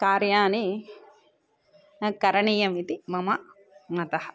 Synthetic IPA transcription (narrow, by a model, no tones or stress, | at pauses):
kaːɾjaːni | kɐɾɐɳiːjɐmit̪imɐmɐ | mɐt̪ɐhɐ̥